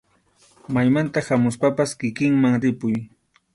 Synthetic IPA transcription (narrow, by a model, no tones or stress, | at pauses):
majmant̪ahamʊspapaskɪkɪŋmaŋɾɪpʊj